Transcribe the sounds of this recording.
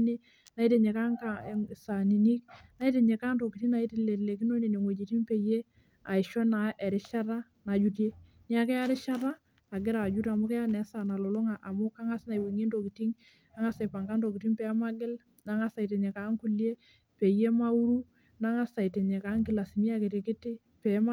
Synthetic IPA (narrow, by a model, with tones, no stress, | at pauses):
ne˦ | na˨˦i˦te˨ɲe˨ka˦ŋka˨sa˨ni˨ni˦k̚na˨˦i˦te˨ɲe˨ka˦nto˨ki˨ti˦ŋna˨i˦te˦le˨le˨ki˦no˦ne˨ne˨ŋo˨d͡ʒi˨ti˦ŋpe˨je˦ | a˨i˨ʃɔ˦na˨ʔɛ˨ɾɪ˦ʃa˦ɾa˦ | na˨d͡ʒu˨˦tje˦ | ni˦a˨kɛ˦a˦ɾɪ˦ʃa˦ɾaː˦˨ | ɡɪ˦ɾa˨d͡ʒu˦ta˨mʊ˦kɛ˦a˦nɛ˨˦sa˨na˨lo˨lʊ˦ŋa˨ʔa˨mʊ˦ka˦ŋa˦sna˨i˨we˨ŋe˦ndo˨ki˨ti˦ŋ | a˦ŋa˦sɛ˨pa˨ŋɡa˦ndo˨kɪ˨ti˦ŋpɛ˨a˦ma˦ɡɪ˦l | na˨˦ŋa˦sa˨i˨t̬e˨ɲɛ˨ka˨˦ŋku˦lje˦ | pe˨je˦ma˦u˦ɾu˦ | na˦ŋa˦sa˨i˨te˨ɲɛ˨ka˨˦ŋkɪ˦˨la˨si˨mi˦a˦kɪ˨te˨kɪ˦tɪ˦ | pɛ˨˦m˦